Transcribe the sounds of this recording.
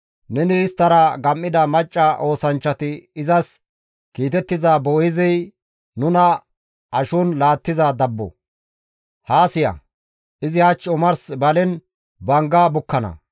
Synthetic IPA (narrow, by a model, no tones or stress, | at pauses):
nɛnɪːst̪ːɐɾɐɡɐmːɪd̪ɐmɐt͡ʃʼːɐʔo̞ːsɐnt͡ʃːɐt̪ɪɪzɐs | kiːt̪ɛt̪ːɪzaːboːjɪzɛj | nʊnɐ | ɐʃʊnlaːt̪ːɪzad̪ɐbːɔ̰ | haːsɪjɐ̰ | ʔɪzɪhɐt͡ʃːʊmɐɾsbɐlɛn | bɐŋɡaːbʊkːɐnɐ̰